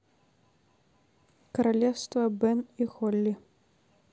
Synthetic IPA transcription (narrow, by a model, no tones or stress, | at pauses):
kɐɾalʲɛwst̪vɐbɛnixɔlʲːi